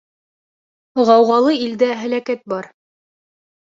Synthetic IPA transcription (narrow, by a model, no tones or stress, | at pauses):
ʁɑwʁɑlˠɤild̪æɦælækæt̪̚bɑɾ